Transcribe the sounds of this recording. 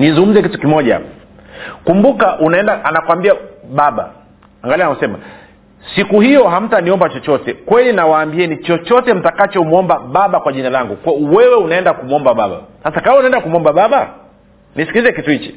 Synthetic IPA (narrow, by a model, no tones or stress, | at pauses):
nizuŋɡum̩zɛkitukimɔʄa̰ | kumbukaʔunaɛndaʔanakwambiaɓaɓa̰ | aŋɡalianausɛma̰ | sikuhijɔɦam̩taniɔmbat͡ʃɔt͡ʃɔtɛkwɛlinawaːmbiɛnit͡ʃɔt͡ʃɔtɛm̩takat͡ʃɔmɔmbaɓaɓakwaʄinalaŋɡukawɛwɛunaɛndakumuɔmbaɓaɓa̰sasakawaunaɛndakumuɔmbaɓaɓa | nisi̥kilizɛkituhit͡ʃi̥